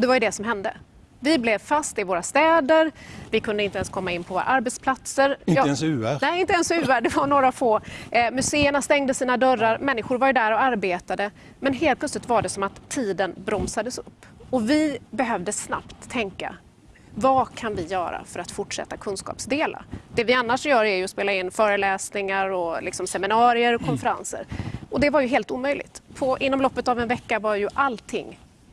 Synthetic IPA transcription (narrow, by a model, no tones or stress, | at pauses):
ɔd̪ɛvajɵd̪ɛsɔmɦɛnd̪ə | vɪblɛvfast̪ɪvoːɾast̪ɛːd̪əɾvɪkʰɵnd̪əɪnt̪əɛnskʰɔmːaɪnːpʰɔvo̰ːɾa̰ʔaɾbɛt̪spʰlat̪səɾj̪ɛnsʉænɛɪnt̪əɛnsʉ̟ːæɖɛvaɳoːɾafoːmɵseːəɳast̪ɛŋd̪əsiːnad̪œɾːaɾmɛnːɪɧʊɾvaɾjɵd̪æɾɔaɾbeːt̪ad̪ə | mɛnɦeːlt̪pʰlœtslɪt̪vaɖɛsɔmat̪ʰːiːd̪ənbɾɔmsad̪əsɵpːɔvɪbɛɦœvd̪əsna̰pt̪ʰːɛŋkːa̰ | vakʰanvɪjœːɾa̰fœɾat̪fʊʈʂɛ̰t̪ːakʰɵnskɑ̰ːpsd̪eːla̰d̪̥ɛvɪanːaʂjœːɾæɾjɵɔspeːlaɪnːfœːɾəlɛːsnɪŋaɾɔlɪksɔmsɛmɪnɑːɾɪəɾɔkʰɔnfəɾa̰nsə̰ɾɔd̪ɛvaɾjɵɦeːlt̪uːmœjlɪ̰ɡt̪pʰɔʔɪnːɔmlɔpːət̪avɛnvɛkːavaɾjɵʔalt̪ʰːɪ̰ŋː